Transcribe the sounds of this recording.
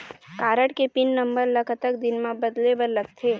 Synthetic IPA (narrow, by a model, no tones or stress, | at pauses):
kaːɾəʈkepɪnːəmbəɾləkʰət̪əkd̪ɪnmãbɐd̪lebəɾləɡ̚t̪ʰeː